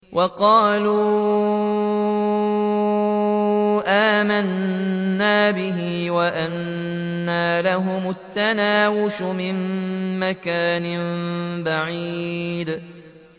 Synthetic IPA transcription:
wʔɑqɑːluː | ʔaːmanː | aːbɪɦiːwaʔanː | aːlaɦʊmʊt̪ːanaːwʊʃʊmɪmːakaːnɪmbaʕid̪

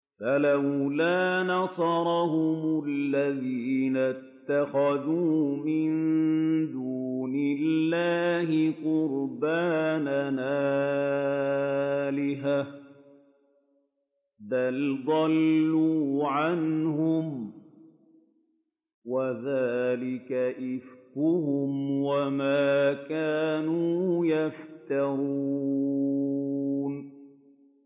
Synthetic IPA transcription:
falawlaːnɑsˤɑɾˤɑhʊmʊlːaðiːnat̪ːaxaðuːmɪnd̪uːnɪlːaːɦɪqʊɾbaːnanʔaː | lɪɦa | ðald̪ˤɑlːuːʕanhʊm | waðaːlɪkaʔɪfkʊhʊmwamaːkaːnuːjaft̪ɑɾuː | n

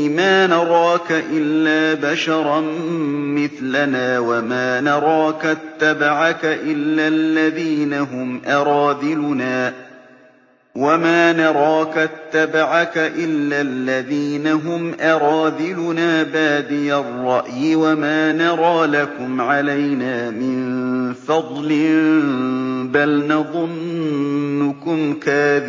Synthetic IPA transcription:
maːnɑɾˤɑːkaʔɪlːaːbaʃɑɾˤɑnmɪθlanaːwamaːnɑɾˤɑːkat̪ːabaʕakaʔɪlːaːlːaðiːnaɦʊmʔɑɾˤɑːðɪlʊnaː | wamaːnɑɾˤɑːkat̪ːabaʕakaʔɪlːalːaðiːnaɦʊmʔɑɾˤɑːðɪlʊnaːbaːd̪ɪjarˤːɑʔjɪwamaːnɑɾˤɑːlakʊmʕalajnaːmɪnfɑd̪ˤlɪ | balnɑðˤʊnː | ʊkʊmkaːðɪ

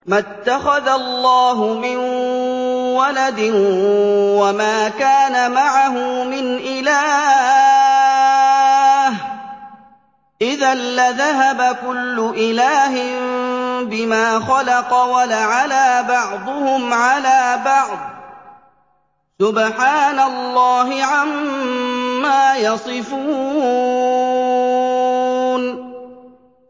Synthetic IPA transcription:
mat̪ːaxaðalːɑːɦʊmɪn | walad̪ɪ | wamaːkaːnamaʕaɦʊmɪnʔɪlaː | h | ʔɪðanːaðaɦabakʊlːʊʔɪlaːɦɪmbɪmaːxɑlɑqɑwalaʕalaːbɑʕd̪ˤʊhʊmʕalaːbɑʕd̪̚ˤ | sʊbħaːnalːɑːɦɪʕamː | aːjɑsˤɨfuː | n

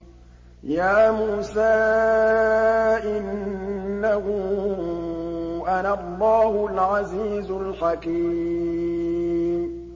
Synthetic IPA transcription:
jaːmuːsaː | ʔɪnː | ahʊ | ʔanalˤːɑːhʊlʕaziːzʊlħakiː | m

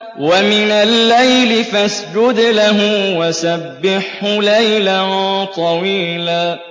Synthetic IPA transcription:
wamɪnalːajlɪfasd͡ʒʊd̪laɦʊwasabːɪħhʊlajlat̪ˤɑwiːlaː

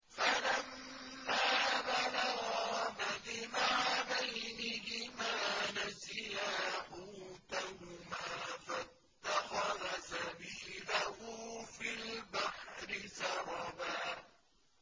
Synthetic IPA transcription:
falamː | aːbalaɣɑmalɪmaʕabajnɪhɪmaːnazɪjaːħuːt̪ahʊmaːfa | t̪ːaxɑrˤasabɪʃɪdahuːfilbaħɾɪsɑɾˤɑbaː

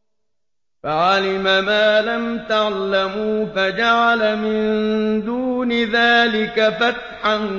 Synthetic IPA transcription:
faʕalɪmamaːlamt̪aʕlamuːfad͡ʒaʕalmɪnd̪uːnɪðaːlɪkafat̪ħan

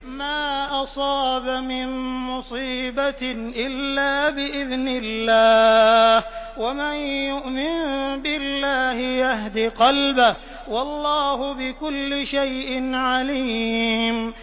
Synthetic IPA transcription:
maːʔɑsˤɑːbamɪnmʊsˤiːbaʔɪlːaːbɪʔɪðnɪlːaːhwamanjʊʔmɪnbɪlːaːhɪjahd̪iqɑlbɪh | wɑlˤːɑːhʊbɪkʊlːɪʃajʔɪnʕaliːm

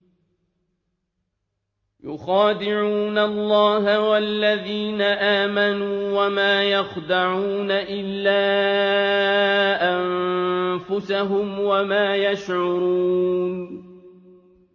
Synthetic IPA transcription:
jʊ̰xaːd̪ɪʕuːnalˤːɑːɦawalːaðiːnaʔaːmanuːwamaːjaxd̪aʕuːnaʔɪlːaː | ʔammfʊsaɦʊmwamaːjaʃʕʊɾuːn

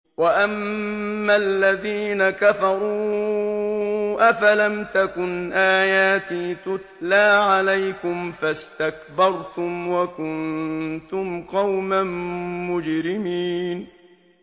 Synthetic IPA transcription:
waʔamː | alːaðiːnakafɑɾˤuː | ʔafalamt̪akʊnʔaːjaːt̪iːt̪ʊt̪laːʕalajkʊmfast̪akbɑɾˤt̪ʊmwakʊnt̪ʊmqɑwmanmʊd͡ʒɾɪmiːn

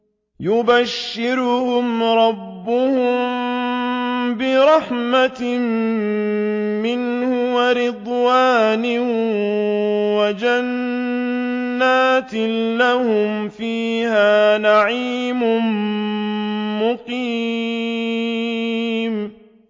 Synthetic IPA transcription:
jʊbaʃːɪɾʊhʊmɾˤɑbːʊhʊm | bɪɾˤɑħmat̪m | mɪnhʊwaɾɪd̪ˤwaːnɪ | wad͡ʒan | aːt̪ɪlahʊm | fiːhaːnaʕiːmʊ | mʊqiː | m

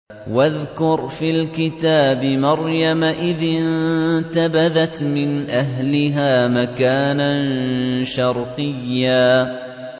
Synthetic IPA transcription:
waðkʊɾfiːlkɪt̪aːbɪmɑɾjamaʔɪðɪnt̪abaðat̪mɪnʔaɦlɪɦaːmakaːnanʃɑɾˤqɨjːaː

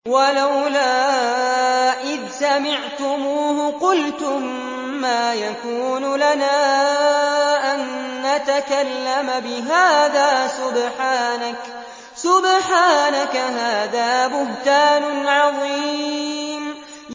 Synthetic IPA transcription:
walawlaː | ʔɪðsamɪʕt̪ʊmuːhʊqʊlt̪ʊmː | aːjakuːnʊlanaː | ʔanːat̪akalːamabɪɦaːðaːsʊbħaːnak | sʊbħaːnakaɦaːðaːbʊɦt̪aːnʊʕɑðˤiː | m

